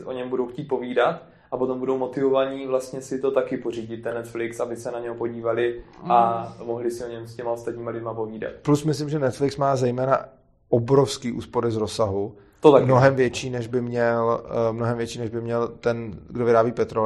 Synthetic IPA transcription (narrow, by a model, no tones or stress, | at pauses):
ʔo̞ɲɛmbudowxciːt̪̚po̞viːdat̪ | ʔapot̪ombudowmot̪ɪvovaɲiːvlast̪ɲɛsɪt̪o̞t̪akɪpor̝iːɟɪt̪̚ːɛnːɛt̪flɪksabɪsɛnaɲɛɦopoɟiːvalɪamoɦlɪsɪoɲɛmscɛmaost̪at̪ɲiːmalɪdmapoviːda̰t̪̚plusmɪslɪmʒɛnɛt̪flɪksmaːzɛjmɛːna̰ | obɾo̞fskiːʔṵːspo̞ɾɪzɾosaɦu | t̪ot̪amno̞ɦɛmvjɛt͡ʃiːnɛʒbɪmɲɛlmnoɦɛmvjɛt͡ʃiːnɛʒbɪmɲɛlt̪ɛnɡdovɪɾaːbiːpɛt̪ɾo